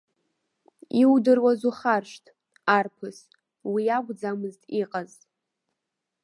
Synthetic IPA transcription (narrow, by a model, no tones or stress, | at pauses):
iwdɨrwazuχarʃʷtʼ | arpʰɨs | wiaɡʷd͡zamɨztʼiqʼaz